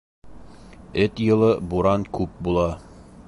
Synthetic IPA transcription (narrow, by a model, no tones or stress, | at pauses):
ɘt̪jɤ̆lˠɤbuɾɑnkʉp̚bulˠɑ